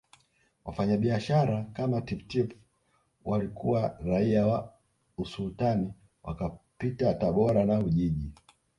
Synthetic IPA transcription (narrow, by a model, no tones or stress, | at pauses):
wa̰faɲaɓiaʃaɾakamatiptip | walikʰuwaɾaiawa | usultani | wʔa̰kapitataɓɔɾanauʄiʄi